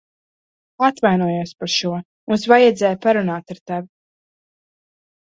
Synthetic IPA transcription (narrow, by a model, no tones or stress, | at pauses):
at̪vajnuɔjuɔspaɾʃuɔ | munsvajɛd̪zɛːjpaɾunaːt̪aɾt̪ɛvi